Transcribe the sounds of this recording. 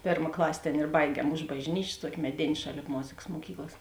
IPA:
ˈpʲeːrmɐ ˈklˠɑːsʲeː ˈtʲeːn ɪr ˈbɐɪɡʲiɛm ʊʃ bɐʒʲˈnʲiːt͡ʃʲeːs ˈtuɔkʲɪ mʲɛˈdʲeːnʲ ˈʃɑːˌlʲeːp ˈmoːzʲeːkɐs moːˈkʲiːklˠɐs

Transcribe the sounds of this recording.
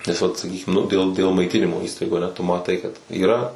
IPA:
nʲɛs ˈʋɐt sɐˈkʲiːkʲɪm nʊ dʲeːlˠ dʲeːlˠ mɐɪˈtʲɪnʲɪmoː ˈiːstɐɪɡuː ɐˈnʲɛ tʊ mɐˈtɐɪ kɐt iːˈrɐ

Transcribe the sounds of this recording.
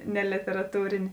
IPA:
nʲɛ lʲeːtʲɛrɐˈtuːrʲeːnʲeː

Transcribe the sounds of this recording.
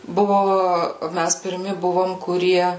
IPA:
ˈbʊʋoː ˈmʲæs pʲɪrʲˈmʲɪ ˈbʊʋoːm kʊˈrʲiɛ

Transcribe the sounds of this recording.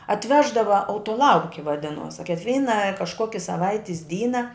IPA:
ɐtʲˈʋʲæːʒdɐʋɐ ɐʊtoːˈlˠɐʊkʲɪ ʋɐˈdʲɪnuɔs ɐ kʲɪkˈʋʲiːnɐ kɐʃˈkoːkʲɪ sɐˈʋɐɪtʲɪs ˈdʲiːnɐ

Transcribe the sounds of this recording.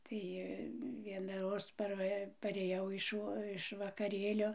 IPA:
ˈtɐɪ ˌʋʲiɛnɐˈroːs ˈpɐrʋɐ pɐˈrʲeːjɛʊ ɪʃ ˈʋoː ɪʃ ʋɐkɐˈrʲeːlʲoː

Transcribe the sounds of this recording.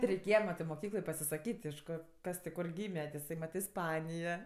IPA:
tʲɪ rʲɛɪˈkʲeːjɛ ˈmɑːtɜ ɪr moːˈkʲiːklˠoːj pɐsʲɪsɐˈkʲiːtʲ ɪʃ ˈkoː ˈkɐs tʲɪk ˈkoːr ˈɡʲiːmʲɛ tʲɪ ɪˈsɐɪ mɐt ɪsˈpɑːnʲɪjɛ

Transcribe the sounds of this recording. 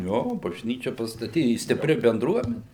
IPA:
ˈjoː bɐʒʲˈnʲiːt͡ʃʲɛ pɐstɐˈtʲiː ɪ sʲtʲɪˈpʲrʲɪ bʲɛnˈdruɔmʲɛnʲɪ

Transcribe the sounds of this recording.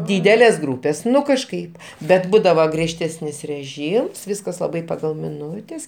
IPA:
ˈdʲiːdʲɛlʲeːs ˈɡruːpʲeːs ˈnʊ kɐʃˈkɐɪp bʲɛt ˈbuːdɐʋɐ ɡrʲiɛʃʲˈtʲæːsʲnʲɪs rʲɛˈʒʲiːms ˈʋʲɪskɐs lˠɐˈbɐɪ pɐˈɡɐlˠ mʲɪˈnʊtʲɛs kʲɛkˈʋʲiɛnɐ

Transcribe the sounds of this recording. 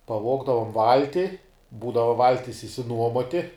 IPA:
pɐˈʋoːɡdɐʋoːm ˈʋɐlʲtʲɪ ˈbuːdɐʋɐ ˈʋɐlʲtʲɪs ɪʃʲsʲɪˈnuɔmoːtʲɪ

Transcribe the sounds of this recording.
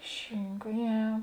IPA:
ˈʃʲɪŋkɐ ˈjɛ

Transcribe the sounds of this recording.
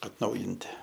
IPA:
ɐtˈnɐʊjɪnʲtʲɪ

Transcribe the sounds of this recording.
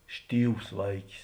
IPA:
ˈʃʲtʲiːws ˈʋɐɪkʲɪs

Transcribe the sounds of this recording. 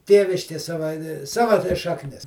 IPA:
ˈtʲeːʋʲɪʃʲkʲeː ˈsɑːʋɐ ˈsɑːʋɐ tɐɪ ʃɐkˈnʲɪs

